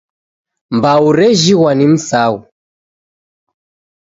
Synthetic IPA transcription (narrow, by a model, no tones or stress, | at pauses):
mbauɾɛʒiwanim̩sau